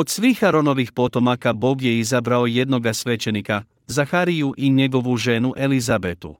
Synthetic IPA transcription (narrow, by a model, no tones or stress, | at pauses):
o̞d̪sʋiːxaɾo̞no̞ʋixpo̞t̪o̞makabo̞ːɡje̞izabɾao̞je̞d̪no̞ɡasʋe̞t͡ʃe̞nika | zaxaɾijuʔiɲe̞ɡo̞ʋuʒe̞nuʔe̞lizabet̪ṵ